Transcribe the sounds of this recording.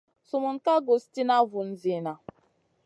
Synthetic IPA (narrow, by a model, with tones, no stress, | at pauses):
sʊ˨mʊ˨n̩˦ka˦ɡo˨sti˦na˦vʊ˨n̩˦zi˨na˨